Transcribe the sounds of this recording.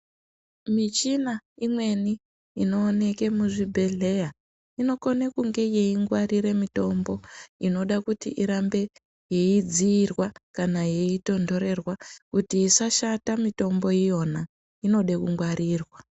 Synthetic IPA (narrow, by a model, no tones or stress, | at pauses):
mit͡ʃinaimwe̞ni | ino̞ːne̞ke̞muʐibʱe̞ɮe̞ja | ino̞ko̞nekuŋɡe̞jeiŋɡwaɾiɾe̞mito̞mbo̞ino̞ɗakutiʔiɾambe̞ | je̞id͡ziːrwakanaje̞ito̞ndo̞ɾe̞rwakutiːsaʃatamito̞mbo̞ijo̞na | ino̞ɗe̞kuŋɡwariːrwa